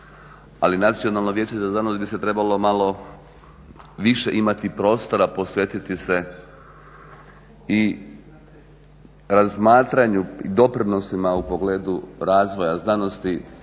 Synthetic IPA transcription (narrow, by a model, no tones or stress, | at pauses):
alinat̪sio̞nalˠnoʋjeːt͡ɕezaznanost̪biset̪ɾe̞balo̞malo | ʋiʃḛʔimat̪ipɾo̞ːst̪o̞ɾapo̞sʋjet̪it̪ise̞ | i | ɾazmaːt̪ɾaɲuḭd̪o̞pɾino̞simaupoɡleːd̪uɾaːzʋo̞jaznano̞st̪i